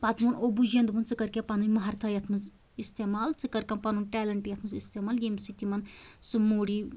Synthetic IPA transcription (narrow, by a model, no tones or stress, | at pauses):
pat̪munobud͡ʒjɐnd̪ɨmunt͡sɨkɐɾkʲãpanunʲmɐɦaɾt̪ʰajɐt̪ʰmɐs | ist̪eːmaːlt͡sɨkɐɾkãmpanunʲʈɛːlɐɳʈjɐt̪ʰmɨsist̪eːmaːljemsit̪imɐnsɨmoːɽiː